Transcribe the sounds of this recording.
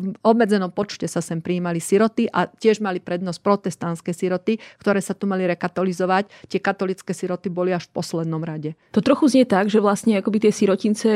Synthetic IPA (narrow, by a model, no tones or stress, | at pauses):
ɔbmɛd͡zɛnɔmpɔt͡ʃcɛsasɛmpɾiːmalisiɾɔt̪iʔacɪɛʒmalipɾɛd̪nɔsc̚pɾɔt̪ɛst̪anskɛjsiɾɔt̪ikt̪ɔɾɛːsat̪umaliɾɛkat̪ɔlizɔʋact̪ɪɛkat̪ɔlit͡skɛːsiɾɔt̪ibɔliaʃfpɔslɛd̪nɔmɾaɟɛt̪ɔt̪ɾɔxuzɲɛt̪aɡʒɛʋlasɲɛakɔbit̪ɪɛsiɾɔcint͡sɛ